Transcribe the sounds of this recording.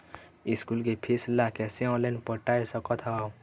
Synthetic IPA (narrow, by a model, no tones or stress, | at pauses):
iskulkepʰeslakɛːseɔ̃lenpəʈaːesəkɔt̪ʰɦa